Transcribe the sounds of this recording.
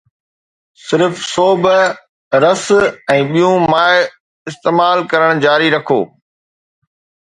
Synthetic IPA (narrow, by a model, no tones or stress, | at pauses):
sɪɾfsoːb | ɾɐsɛ̃ːɓijũmaːɪ | ɪst̪eːmaːlkɐɾəɽ̃d͡ʑaːɾiɾɐkʰoː